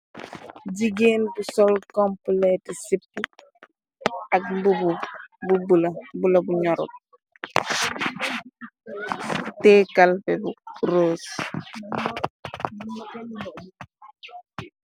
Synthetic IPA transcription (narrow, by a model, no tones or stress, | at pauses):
ɟiɡeːnbusɔlkɔmplɛtɛsipːu | ɐk̚mbubububulɐbulɐbuɲɔɾṵt̚ | tɛːkalfɛbuɾoːs